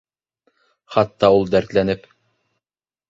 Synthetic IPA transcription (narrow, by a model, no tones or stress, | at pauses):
χɑt̪ːɑulˠd̪æɾt̪lænɘp